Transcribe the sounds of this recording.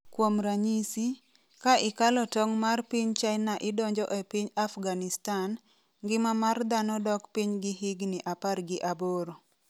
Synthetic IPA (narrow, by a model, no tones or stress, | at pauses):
kwomɾaɲisi | kaʔɪkalɔtɔŋmarpiɲt͡ʃaɪnaʔɪdɔɲd͡ʒɔʔɛpiɲafɡanɪstan | ɡɪmamard̪anɔdɔkpiɲɡɪɦɪɡnɪʔaparɡɪʔaboɾo